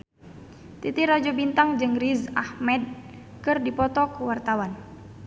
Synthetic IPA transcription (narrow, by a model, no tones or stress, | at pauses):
t̪it̪iɾad͡ʒɔbint̪aŋd͡ʒɨŋrizahmɛd̚ | kɨrdipɔt̪ɔkuwart̪awan